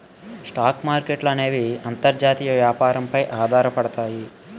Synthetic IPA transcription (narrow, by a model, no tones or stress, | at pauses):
sʈaːkmaːɾkeʈlɐneːʋiɐnt̪ɐɾd͡ʒaːt̪iːjɐʋjaːpaːɾɐmpɐjʔaːd̪ʱaːɾɐpɐɽɐt̪aːji